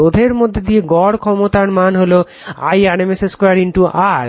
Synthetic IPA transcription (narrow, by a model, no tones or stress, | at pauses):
od̪ʱeɾmod̪ʱːed̪ieɡɔɽkʰɔmot̪aɾmanɦolo | a̰janemeseskɔɾaɾinʈuʔaɾ